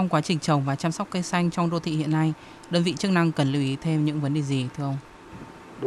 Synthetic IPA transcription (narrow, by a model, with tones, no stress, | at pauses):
ɔ˧wŋ͡mkwaː˨˦t͡ɕï˨˩ŋ̟t͡ɕə˨˩wŋ͡mvaː˨˩t͡ɕaː˧msɔ˦˥k͡p̚kə˧jsa˧jŋ̟t͡ɕɔ˧wŋ͡mɗo˧t̪ʰḭ˧˨hḭ˧˨ənːa˧j | ɗəː˧nvḭ˧˨t͡ɕɨ˦˥k̚na˧ŋkə˨˩nləː˨˧wʔi˨˦t̪ʰe˧mɲɨ̰˧˥ŋvə˨˦nɗe˨˩zi˨˩t̪ʰɨ˧əʔə˧wŋ͡m